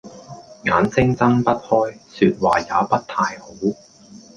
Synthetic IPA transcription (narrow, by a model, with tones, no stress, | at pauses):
ŋaː˨˥nt͡sɪ˥ŋt͡sɐ˥ŋpɐ˥t̚hɔː˥jsyː˧t̚waː˨˩jaː˨˧pɐ˥t̚t̪ʰaː˧jho˨˥w